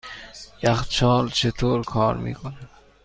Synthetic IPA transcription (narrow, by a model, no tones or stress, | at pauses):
jaxt͡ʃʰɑːlt͡ʃʰet̪ʰoːɾkʰɑːɾmḭkʊna